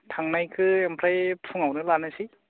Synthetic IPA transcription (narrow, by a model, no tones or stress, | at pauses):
tʰaŋnajkʰɯempʰɾajpʰuŋawnɯlanɯsi